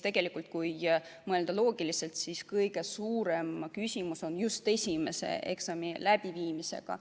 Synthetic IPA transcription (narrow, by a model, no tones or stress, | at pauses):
t̪e̞ɡ̥e̞likːˑult̪̚kujmɤe̞ld̪̥ɑlo̞ːɡ̥ilise̞lt̪siskɤjɡ̥e̞suːɾe̞mkysʲimuso̞njust̪e̞sʲime̞se̞̰e̞ksɑmilæb̥iviːmise̞̰ɡ̥ɑ̰